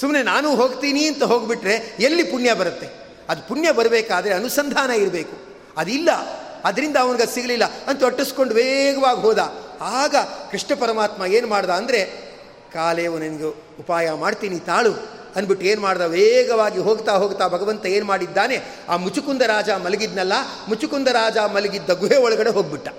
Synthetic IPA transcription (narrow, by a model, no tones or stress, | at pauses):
sumne̞naːnuːɦo̞ːɡt̪iːniɐnt̪ɐɦo̞ːɡbiʈɾe̞elːipuɳjɐbɐɾɐt̪ːe̞ | ɐd̪upuɳjɐbɐɾɐbeːkaːd̪ɐɾeɐnusɐnd̪ʱaːnɐiɾɐbe̞ːku | ɐd̪ilːɐ | ɐd̪ɐɾind̪ɐːʋɐniɡɐsiɡɐlilːɐɐnt̪uɐʈːusko̞ɳɖuʋɛɡɐʋaːɡiɦoːd̪aːaːɡɐkɾiʂɳɐpɐɾɐmaːt̪mɐe̞ːnumaːɽd̪aːɐnd̪ɐɾe̞ | kaːleːʋunɐnɐɡe | upaːjɐmaːɖt̪iːnit̪aːɭu | ɐnbiʈːueːnumaːɽd̪aʋɛːɡɐʋaːɡiɦo̞ːɡt̪aːɦoːɡt̪aːbʱɐɡɐʋɐnt̪ɐeːnumaːɽid̪ːaːne̞ | aːmut͡ʃukund̪ɐɾaːd͡ʒaːmɐlɐɡid̪nɐlːɐ | mut͡ʃukund̪ɐɾaːd͡ʒaːmɐlɐɡid̪ːɐɡueːɔɭɐɡɐɽe̞ɦoːɡ̚biʈːɐ